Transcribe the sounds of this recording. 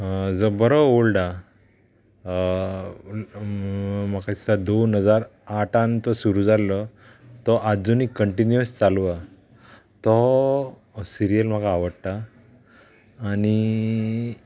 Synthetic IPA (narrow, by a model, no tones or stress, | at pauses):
d͡zɔbəɾɔolɖa | m̤akait̪ad̪onɦəd͡zaɾaʈʰãnt̪ɔsuɾuːd͡zalːɔ | t̪ɔʔad͡zunikəɳʈinjəst͡salʋa | t̪ɔ | siɾijəlm̤akaːʋəɽt̪a | ni